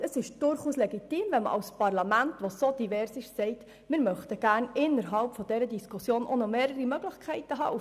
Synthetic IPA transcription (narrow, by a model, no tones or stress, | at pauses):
əsɪʃd̥ʊɾχuːslɛɡit̪iːmvɛnmə̰ʔɑ̰lspɑrlɑmæntʋosod̥iʋɛɾsɪʃsɛɪt | mɪɾmœχtəɡ̥æːɾnɪnːəɾɦɑlpfɔd̥ɛɾədiskʰusjoːnʔonomeːɾəɾimœɡlɪχkʰɛɪtəɦɑ̰ːʔu